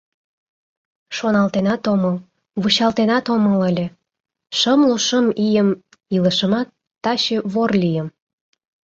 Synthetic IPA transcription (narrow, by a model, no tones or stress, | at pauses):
ʃonɑlt̪enɑt̪oməl | βut͡ɕɑlt̪enɑt̪omələlʲe | ʃəmloʃəmijəm | iləʃəmɑt̪ːɑɕeβorlʲijəm